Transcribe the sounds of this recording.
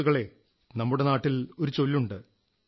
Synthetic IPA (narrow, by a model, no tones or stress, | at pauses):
uɣɐɭe̞ | nɐmːuɽe̞naːʈːilo̞ɾut͡ɕo̞lːuɳɖɨ